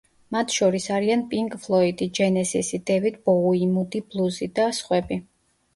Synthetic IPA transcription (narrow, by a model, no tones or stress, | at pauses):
mat̪ʰʃɔɾisaɾianpʼiŋkʼfʰlˠɔid̪id͡ʒɛnɛzisid̪ɛvit̪̚ʰb̥ɔuimud̪iblˠuzid̪asχwɛbi